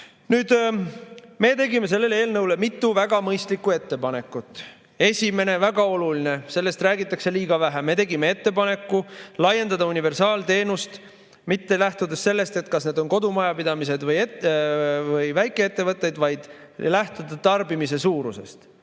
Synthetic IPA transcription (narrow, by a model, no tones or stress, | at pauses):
nyːd̪̥ | me̞ːt̪e̞ɡime̞s̬e̞lːe̞lee̞ːlnɤwle̞mit̪ːuvæɡ̥ɑmɤjst̪likːˑue̞t̪ːe̞pɑne̞kːˑut̪ːˑ | e̞sʲime̞ne̞væɡɑo̞luline̞se̞lːe̞st̪ræːɡit̪ːˑɑkse̞liːɡ̥ɑvæɦæme̞t̪e̞ɡime̞e̞t̪ːe̞pɑne̞kːulɑje̞nd̪ɑd̪ɑunive̞rsɑːlt̪e̞ːnust̪ | mit̪ːelæht̪ud̪esse̞lːe̞st̪e̞t̪kɑsne̞ːd̪o̞nko̞d̪umɑjɑpid̪ɑmise̞d̪vɤje | vɤjvæjkːˑe̞et̪ːe̞vɤt̪ːˑe̞jd̪̥vɑjd̪̥ | læht̪ud̪̥ɑt̪ɑrbimis̬e̞suːɾuse̞̰st̪